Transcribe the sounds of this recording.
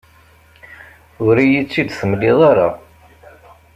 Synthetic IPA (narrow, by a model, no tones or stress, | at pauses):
ʊɾijit͡sːid̪θəmlːiðˤaɾˤɑ